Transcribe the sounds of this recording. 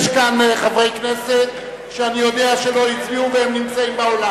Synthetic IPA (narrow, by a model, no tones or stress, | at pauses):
ʃkanχavʁejkneset̪ | ʃeanijo̞d̪eaʃelo̞itliuvehemnimt͡saimbaola